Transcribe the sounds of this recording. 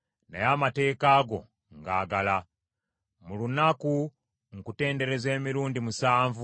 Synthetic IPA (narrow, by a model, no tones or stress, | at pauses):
najamate̞ːkaːɡo̞̰ | ŋɡaːɡala | mulunaku | ŋ̩kute̞ːnde̞ɾe̞ze̞ːmiɾuːndimusaːɱvu